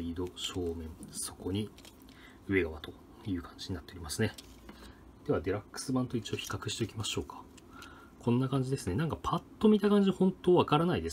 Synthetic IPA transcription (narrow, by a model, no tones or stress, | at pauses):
id̪o̞ɕo̞ːmẽ̞ŋso̞̥ko̞ɲ̟i | ɯ̟e̞ɡaβat̪o̞̥ | jɯ̟ːkʰḁ̃ɲ̟d͡ʑiɲinat̪ːeo̞ɾʲimasɨne̞ | d̪̥e̞βad̪e̞ɾakːɯ̥sɨbãnt̪o̞it͡ɕio̞çi̥kakɯ̟̥ɕi̥t̪e̞ikʲimaɕo̞ːkʰḁ | kʰõ̞nːakãɲ̟d͡ʑid̪e̞sɨne̞nãŋkapʰat̪ːo̞mʲit̪akãɲ̟d͡ʑiohõ̞nt̪oːβakaɾanaid̪e̞